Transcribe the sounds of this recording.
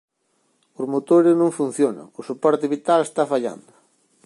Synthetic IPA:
ʊzmot̪oɾɪznõŋfun̟θjona̰ŋʊsupɔɾt̪ɪβit̪alest̪afaʎa̰nd̪ʊ

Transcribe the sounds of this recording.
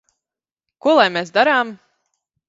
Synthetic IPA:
kuɔlˠajmeːs̬d̪aɾaːm

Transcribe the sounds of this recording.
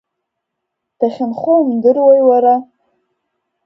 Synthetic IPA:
d̥aχʲɪnχumdɨrwajwaɾa

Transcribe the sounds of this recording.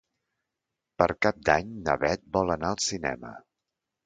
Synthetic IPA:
pəɾkap̚d̪aɲnə̰βɛt̪̚bɔlˠənaəlˠsinɛ̰mə̰

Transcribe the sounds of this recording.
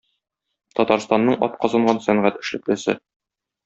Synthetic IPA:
t̪ɒt̪ɑɾst̪ɑnːɤɴɒ̰t̪̚qɒzɑɴɢɑnsæɴʁæt̪ɘ̆ʃlɘ̆klɘ̆sɘ̰

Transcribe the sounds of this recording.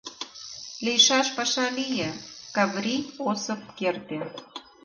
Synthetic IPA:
lejʃɑʃpɑʃɑlijekɑβrʲiosəp̚kert̪e

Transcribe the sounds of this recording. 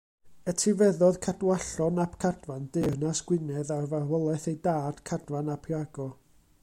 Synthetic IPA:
ətʰivɛðɔðkʰadwaɬɔnapkʰadvandɪrnasɡ̥wɪnɛðarvarvɔlˠɛθejdaːd̥kʰadvanapʰjaɡɔ

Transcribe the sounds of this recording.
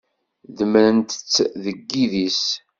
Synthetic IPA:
ðəmɾənt̪ə̥t͡sːðəɡːiðis

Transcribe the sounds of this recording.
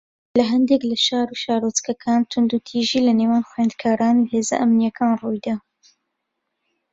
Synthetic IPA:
lɐɦɐnd̪eklɐʃaːɾuʃaːɾot͡skɐkʰaːnt̪ʰʊnd̪ut̪ʰiːʒiːlɐneːwaːnxwjend̪kʰaːɾaːnuheːzɐ̰ʔɐmnijɐkʰaːnrujd̪aː

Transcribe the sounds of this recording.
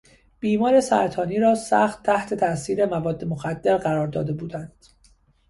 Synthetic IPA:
b̥iːmɒːɾe̞sæ̰ɾt̪ʰɒːniːɾɒːsæ̰xt̪ʰːæht̪ʰe̞t̪ʰæsiːɾe̞mævɒːd̪ːe̞moxæd̪ːe̞ɾɢæɾɒːɾd̪ɒ̰ːd̪e̞buːd̪ænd̪̥

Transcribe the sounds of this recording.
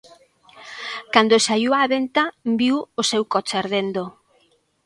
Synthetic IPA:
kand̪osajuwaβent̪abiwosewkɔt͡ʃaeɾðend̪o

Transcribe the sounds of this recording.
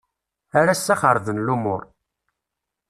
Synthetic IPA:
æɾæsːæχəɾðənlumʊ̰ɾ

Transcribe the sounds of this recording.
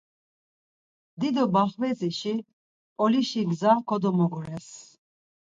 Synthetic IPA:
d̪id̪ɔbaχvɛziʃi | pʼɔliʃiɡzakʰɔd̪ɔmɔɡɔɾɛs

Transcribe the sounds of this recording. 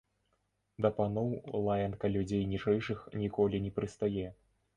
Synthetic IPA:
d̪ɐpanɔwlˠajɐnkɐlʲud͡zʲejnʲit͡ʂɛjʂɨxnʲikɔlʲinʲɛpɾɨst̪ajɛ

